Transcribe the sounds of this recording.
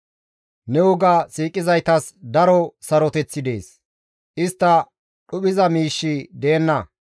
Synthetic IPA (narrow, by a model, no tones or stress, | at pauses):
nɛwɔɡɐsiːkʼːɪzɐjt̪ɐsd̪ɐɾɔsɐɾɔt̪ɛt͡sːɪd̪e̞ːs | ʔɪst̪ːɐ | ɗʊɓɪzɐmiːʃːɪd̪e̞ːnːɐ